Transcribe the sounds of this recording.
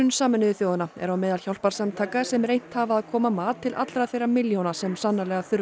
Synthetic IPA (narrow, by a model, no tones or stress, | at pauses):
ʏnsaːmɪnɪðɪθjoːwðanaɛɾawmɛːðalçjawl̥paɾ̥samt̪ʰaːkasɛmrejn̥t̪havaːðkʰɔːmamaːðt̪ʰɪlʔa̰t̪lɾaθejrːamɪljownasɛmsanːalɛɣaθʏɾ